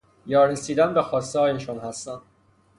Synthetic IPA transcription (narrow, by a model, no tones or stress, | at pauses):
jɒːɾesiːd̪ænbexɒːst̪ehɒːjeʃonhæst̪æn